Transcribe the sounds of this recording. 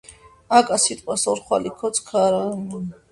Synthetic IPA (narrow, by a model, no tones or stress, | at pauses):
akʼasit̪ʼqʼwasɔɾχwa̰likʰɔsʰʼkʰaɾan